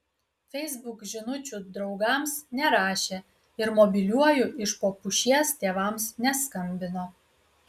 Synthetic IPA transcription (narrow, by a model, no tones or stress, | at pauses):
fʲɛɪzbʊkʒʲɪnʊt͡ʃʲʊd̪ɾɒʊɡɐmsnʲɛɾɑːʃʲe | ɪɾmɔbʲɪlʲuɔjʊɪʃpoːpʊʃʲiɛst̪ʲeːʋɐmsnʲɛskɐmʲbʲɪnoː